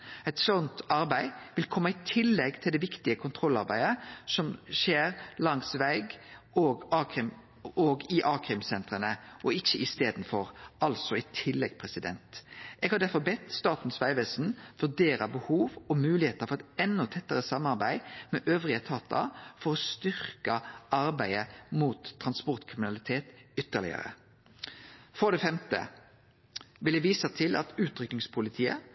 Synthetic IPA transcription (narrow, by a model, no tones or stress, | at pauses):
ɛɪt̪sɔnt̪ɑɾbæɪʋɪlkʰɔmːɑɪt̪ʰɪlːɛɡt̪ʰɪld̪ɛʋɪkt̪ɪəkʰʊnt̪ʰɾɔlːɑɾbæɪəsɔmʃeːɾlɑŋsʋæɪɡ | oːɡɑːkɪm | oɡɪʔɑːkɾɪmsɛnt̪ʁənəʔɔɪçːəʔɪst̪eːd̪nfɔɾɑlsɔɪt̪ʰɪlːɛɡpʰɾɛsɪd̪ɛ̰nt̪ʔɛɡhɑɾdæɾfɔbɛt̪ːst̪ɑːt̪n̩sʋæɪʋɛsn̩fœʁd̪eːɾəbəhuːʋɔmʉːlɪheːt̪əfɔʁɛt̪ɛnːɔt̪ʰɛt̪ːəʁəsɑmːɑʁbæɪmɛːʔøːʋʁɪət̪ʰɑːt̪ɑ̰fɔʁɔst̪ʏʁkəʔɑɾbæɪəmuːt̪ʰːɾʁɑnspɔʁt̪kʰʁɪmɪnɑlɪt̪ʰeːt̪ʏt̪ːəʁlɪ̰ə̰ɾə̰ | fɔʁd̪ɛːfɛmt̪ə̰ | ʋɪlɛʋiːsət̪ʰɪlʔɑ̰t̪ʉːt̪ʰɾʏknɪŋspʰʊlɪt̪ʰiːə̰